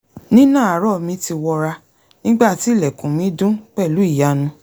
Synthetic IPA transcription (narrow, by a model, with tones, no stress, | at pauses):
nĩ˦nã˦˨a˨ɾɔ˦˨mĩ˨˧˦ti˧wɔ˧ɾa˧ | nĩ˦ɡ͡ba˦˨ti˨˦˨lɛ˨kũ˨mĩ˨˦dũ˦k͡pɛ˦˨lu˨˦i˦˨ja˨˦nũ˧˦